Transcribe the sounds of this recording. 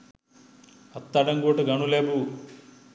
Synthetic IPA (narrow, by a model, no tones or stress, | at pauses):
ɐt̪ːɐɖɐŋɡoːʈuɡɐɳuleːbu